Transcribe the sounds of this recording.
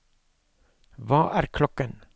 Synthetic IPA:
ʋɑːʔæːɾkʰlɔkən

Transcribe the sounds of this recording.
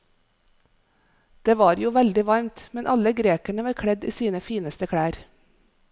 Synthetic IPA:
d̪̥eːʋɑːɾjuːʋɛld̪ɪʋɑɾmt̪mɛnʔɑləɡɾeːkæɳəʋɑːɾkʰɽɛd̪ḭːsiːnəfiːnəst̪əkʰɽæːɾ

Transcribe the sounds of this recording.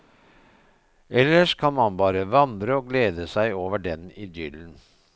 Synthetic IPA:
ɛlːəʂkʰɑnmɑnbɑːɾəʋɑnd̪ɾəoːɡleːd̪əsæɪoːʋəɖɛniːd̪jʏln̩

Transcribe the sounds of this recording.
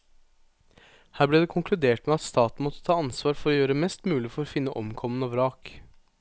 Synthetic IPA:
hæːɾblɛd̪ɛkʰʊŋkʰlʉd̪eːʈmɛɑt̪st̪ɑːt̪n̩mɔt̪ːə̥t̪ʰɑːɑnsʋɑːɾfɔɾɔjøːɾəmɛst̪mʉːlɪfɔɾɔfɪnːəʔɔmkʰɔmənɑːʋɾɑːk

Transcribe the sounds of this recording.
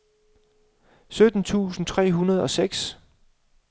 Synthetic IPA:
sød̥n̩t͡sʰṵːsn̩t͡sʰʁɛ̰ːɦunɐð̞̩ˠɒ̽seɡ̥s

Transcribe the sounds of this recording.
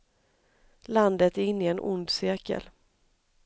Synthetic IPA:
land̪ət̪æɪnːɪɛnʔʊ̰nd̪sɪɾkə̰l

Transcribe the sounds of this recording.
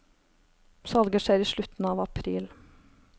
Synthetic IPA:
sɑlɡəʂæɪiːʃɭʉt̪n̩ɑːʋɑpʰɾiːl

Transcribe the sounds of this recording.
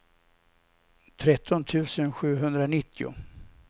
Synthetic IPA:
t̪ʰɾɛt̪ʰːɔnt̪ʰʉ̟ːsənɧʉ̟ːɦɵnd̪ɾanɪt̪ʰːɪʊ̰

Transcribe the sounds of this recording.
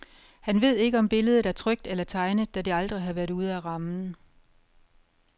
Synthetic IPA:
hænʋe̝ð̞̰ˠe̝ɡ̥əɒ̽mb̥e̝ləð̞̩ˠdˠæɐt͡sʰʁœɡ̥̚d̥elɐt͡sʰɑ̈ɪnəðˠd̥æd̥eɑ̈ld̥ʁiɦɑ̈ʋæɐduð̞̩ˠæʁɑ̈mn̩

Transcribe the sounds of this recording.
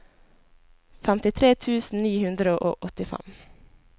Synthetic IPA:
fæmt̪ɪt̪ʰɾeːt̪ʰʉːsn̩niːhʉnd̪ɾəʔo̰ːʔɔt̪ɪfæ̰m

